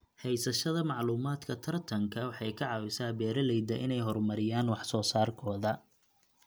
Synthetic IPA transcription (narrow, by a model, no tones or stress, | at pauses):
hɛjsɐʃɐðɐmɑʕluːmaːd̪kʰɐt̪ʰɐrt̪ʰɐŋkʰɐwɑħɑjkʰɐʕɑːwɪsaːbɛːɾɐlɛjd̪ɐʔɪnɛjɦɔrmɐɾɪjaːnwɑħsɔːsaːrkʰɔːðɐ